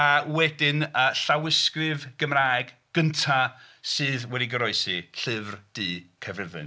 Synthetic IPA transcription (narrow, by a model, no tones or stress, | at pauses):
awɛdɪnəɬawɪskrɨvɡ̥əmraːjɡ | ɡ̥əntʰasɨːðwɛdiɡəɾɔɨsiɬɪvrd̥ɨːkʰɛvrɪrðɨ̰n